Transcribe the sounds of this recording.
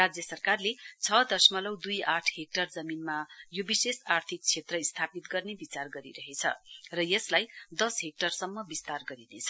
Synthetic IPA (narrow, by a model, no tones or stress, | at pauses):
ad͡zjʌsʌrkarlet͡sʰʌd̪ʌrsmʌlʌwd̪ujaʈʰɦek̚ʈʌrd͡zʌminmajobisesart̪ʰik̚t͡sʰet̪rʌist̪ʰapit̪ɡʌrnebit͡sarɡʌɾḭɾʌɦet͡sʰʌ̰rʌjʌslajd̪ʌsɦek̚ʈʌrsʌmːʌbist̪arɡʌɾinet͡sʰʌ